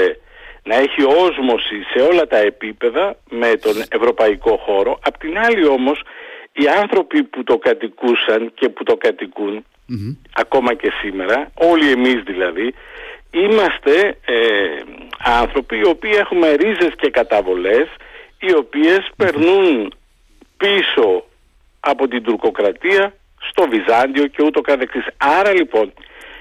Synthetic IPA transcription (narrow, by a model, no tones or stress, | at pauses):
nɐe̞çio̞zmo̞sise̞o̞lɐt̪ɐe̞pipe̞ðɐme̞t̪o̞ne̞vɾo̞pɐiko̞xo̞ɾo̞ʔɐpot̪inɐlio̞mo̞siɐnθɾo̞piput̪o̞kɐt̪ikusɐnce̞put̪o̞kɐt̪ikun | ɐko̞mɐce̞sime̞ɾɐo̞lie̞mizðilɐði | imɐst̪e̞e | ɐnθɾo̞piːo̞piːe̞xume̞ɾize̞sce̞kɐt̪ɐvo̞le̞s | io̞pie̞spe̞ɾnun | piso̞ | ɐpo̞t̪ind̪uɾko̞kɾɐt̪iɐ | st̪o̞vizɐnd̪io̞ce̞ut̪o̞kɐθeksisɐɾɐlipo̞n